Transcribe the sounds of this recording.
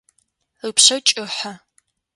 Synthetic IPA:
ɨpɕɐt͡ʃʼɨħɐ

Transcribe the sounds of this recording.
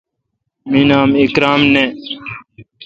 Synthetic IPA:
miːnaːmikɾaːmneː

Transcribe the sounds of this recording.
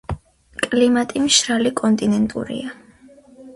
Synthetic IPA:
kʼlimat̪ʼimʃɾalikʼɔnt̪ʼinɛnt̪ʼṵɾḭa

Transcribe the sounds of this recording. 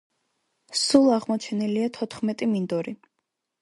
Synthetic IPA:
sulˠaʁmɔt͡ʃʰɛniliat̪ʰɔt̪ʰχmɛt̪ʼimind̪ɔɾi

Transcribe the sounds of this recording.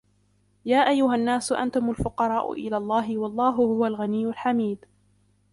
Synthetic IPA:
jaːʔajːʊɦanːaːsʊʔa̰nt̪ʊmʊlfʊqɑɾˤɑːʔʊ̰ʔɪ̰laːlˤːɑːɦɪwɑlˤːɑːɦʊhʊwalɣanijːʊlħamiːd̪

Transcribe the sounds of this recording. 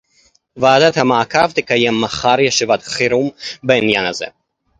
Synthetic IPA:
vaːd̪at̪hamaakavt̪ikajemːaχaɾjeʃivat̪χiɾumbeinjanhazḛ

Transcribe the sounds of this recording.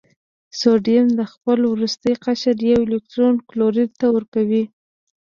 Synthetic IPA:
soɖjamd̪əxpəlwɾust̪əjqaʃaɾjawɪlɪk̚ʈɾonkloɾiɾt̪awəɾkawi

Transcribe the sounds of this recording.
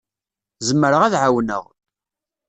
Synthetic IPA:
zəmːəɾəʁæðʕawnə̰ʁ

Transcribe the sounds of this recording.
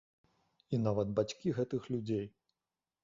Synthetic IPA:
inavɐd̪̚bat͡sʲkʲiɣɛt̪ɨxlʲud͡zʲej

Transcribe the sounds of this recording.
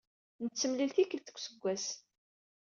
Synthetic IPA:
nət͡sːəmlilθikəlt̪ə̥kʷːsəɡʷːæs

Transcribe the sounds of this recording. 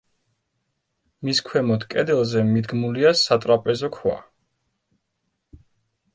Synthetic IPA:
miskʰwɛmɔd̪ʰkʼɛd̪ɛlˠzɛmid̪ɡmuliasat̪ʼɾapʼɛzɔkʰwa̰

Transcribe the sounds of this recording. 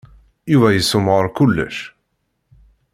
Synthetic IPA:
juvæjəsːʊmʁəɾˤkʊlːə̰ʃ

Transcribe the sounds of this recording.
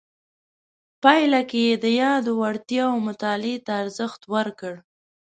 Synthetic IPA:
pɑjlakejed̪əjɑd̪owaɽt̪jɑowmʊt̪ɑlet̪aːɾzəxt̪wəɾkəɽ

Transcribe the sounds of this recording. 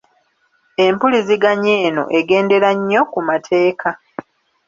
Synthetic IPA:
e̞mpuliziɡaɲe̞ːno̞̰ʔe̞ɡe̞ːnde̞ɾaɲːo̞kumatʰe̞ːkʰa

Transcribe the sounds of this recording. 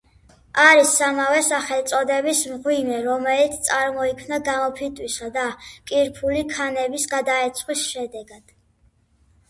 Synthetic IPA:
aɾisːamavɛsaχɛlt̪sʼɔd̪ɛbismʁwimɛɾɔmɛlit̪sʰt̪sʼaɾmɔikʰmnaɡamɔpʰit̪ʼwisad̪akʼiɾpʰulikʰanɛbisɡad̪aɛt̪sʰχwisʃɛd̪ɛɡad̪̥

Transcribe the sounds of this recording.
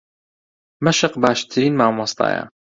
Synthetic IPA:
mɐʃəqbaːʃt̪ʰɾiːnmaːmwɑsˤt̪ˤɑ̰ːja̰

